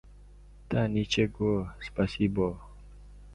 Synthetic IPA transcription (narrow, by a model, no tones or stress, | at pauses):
t̪anit͡ʃeɡospasibɔ